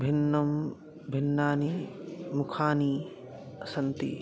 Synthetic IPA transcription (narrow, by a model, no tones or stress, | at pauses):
bʱinːɐm | bʱinːaːnimukʰaːni | ɐsɐnt̪ḭ